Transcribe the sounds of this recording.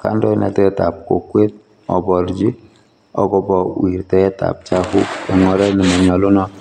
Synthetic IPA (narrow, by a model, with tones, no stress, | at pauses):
ka˦ndɔ˦nɛ̰˨tɛ˦ta˨p̚ko˨kwe˦t̚ | ɔ˨bɔ˨ɾd͡ʒi˦ | ɔ̰˨ɡɔ˨bɔ˨wi˨ɾtɛ˦ɛ˦ta̰˨p̚t͡ʃa˦hu˦ɛ˨ŋɔ˨ɾɛ˦ni˨mɔ˨ɲɔ˨lʊ˦nɔ˦